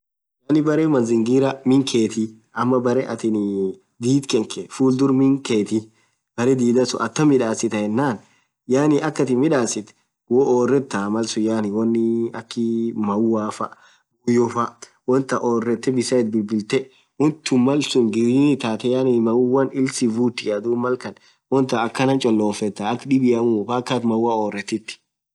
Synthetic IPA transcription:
jaːnɪbɐɾeːmɐnzɪŋɡiːɾɐmɪŋkʰe̞ːt̪ɪ | ɐmːɐbɐɾɛʔɐ̰t̪ɪn | d̪iːt̪kɛŋkɛfuːld̪ʊɾmɪŋkeːt̪ɪ | b̥ɐɾɛd̪iːd̪ɐsʊ̰ʔɐt̪ːɐmɪᶑaːsɪt̪ɐhɛnːaːn | jaːnɪʔɐkːɐt̪ɪmɪᶑaːsɪt̪ | wɔoːrːɛt̪ːɐmɐlsʊjaːnɪwɐnːɪɐkːɪmɐwaːfɐʔ | ɡʊjɔfɐ | wɔnt̪ɐʔoːrːɛt̪ːɛbɪsɐɛt̪̚bɪlbɪlt̪ɛ | wɔnt̪ːʊmɐlsʊŋɡɪɾinɪt̪aːt̪ɛjaːnɪmɐwːɐnɪlsɪvuːt̪ːɪjad̪uːmɐlkɐn | wɔnt̪ɐɐkːɐnɐnt͡ʃʼɔlːoːfɛt̪ːɐɐkːᶑɪbɪjɐmʊfakːat̪mɐwaoːrːɛt̪ːɪt̪ːɪ̥

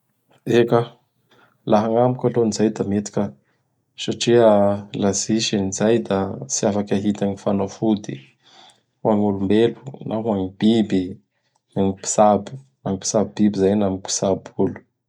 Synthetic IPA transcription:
eka | laɦaŋamukʲalonizajd̪amet̪i̥kʲə | saʈ͡ʂiəlaziʃinizajd̪asiafakʲaɦit̪aŋifanafud̪i | uaŋulumbelu̥nʔaɦuaŋibibi | aŋipi̥sabu̥ | aŋipi̥sabibibizajnamipi̥sabulu̥

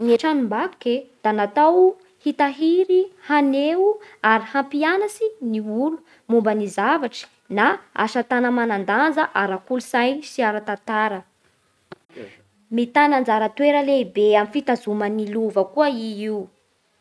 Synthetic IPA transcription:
neʈ͡ʂanimbaked̪̥anat̪aw | hit̪aɦiɾihaneuaɾihampianasiniulu̥ | mumbənizavaʈ͡ʂi̥ | naa̰ʃat̪anəmanand̪and͡zəʔaɾakulusajsiaɾat̪at̪aɾə | mit̪anand͡zaɾət̪weɾəlebeamifit̪azuməniluvəkuəiiu

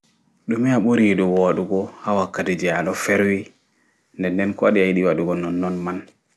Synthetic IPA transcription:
ɗumɛaɓoɾiɗɔwoɗuɡɔhawakːatid͡ʒɛaɗɔfɛɾwi | ndɛndɛnkɔɗiajiɗiwaɗuɡɔnːɔnːɔnman

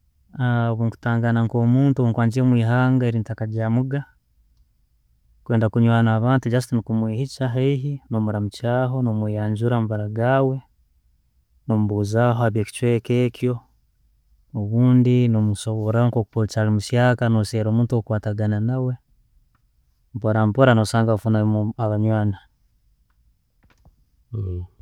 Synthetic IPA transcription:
aβuːŋku̥taːŋɡanaŋko̞ːmuːntuuŋkwaːɲd͡ʒiɾemwiːɦaːŋɡaeɾiːntakaɟaːmuɡa | kwe̞ːndakuɲwaːnaːβaːntuɟas̬tinikumwiːhit͡ʃaɦeiɦinomuɾamucaːɦo̞nomwejaːɲd͡ʒuɾamaβaɾaɡaːwe̞ | nomuβuːzaːɦoaβjeːki̥t͡ʃweːkeːkjo̞ | oβuːndinomuso̞βoɾaŋkokukot͡ʃalimuʃjaːkanoseːɾomuːntuokukwaːtaɡananawe̞ | mpoɾampoɾanosaːŋɡaufunaaβaɲwaːna

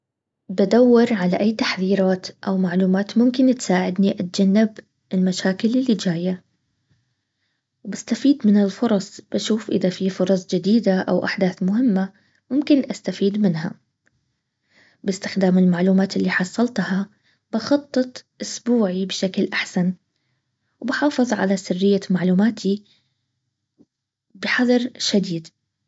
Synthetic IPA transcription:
bad̪awːɑɾˤʕalaʔajːt̪aħðiːɾaːt̪ʔawmaʕluːmaːt̪mʊmkɪnt̪saːʕɪd̪niʔat̪̚d͡ʒanːɪb | ɪlmaʃaːkɪlʔɪlːid͡ʒaːja | wbast̪afiːd̪mɪnɪlfʊɾˤɑsˤb̥aʃuːfʔɪ̰ðafifʊɾˤɑsˤd͡ʒɪd̪iːd̪aʔa̰wʔaħd̪aːθmʊɦɪmːa | mʊmkɪnʔast̪afiːd̪mɪnɦa̰ | bɪst̪ɪxd̪aːmɪlmaʕluːmaːt̪ɪlːiħɑsˤːɑlt̪hɑ | b̥ɑxɑt̪ˤːɨt̪ˤʔʊsbuːʕibɪʃaklʔaħsan | wbħɑːfɨðˤʕa̰lasɪrːɪjːamaʕluːmaːt̪ʰi | bɪħɑðˤɑɾʃad̪iːd̪

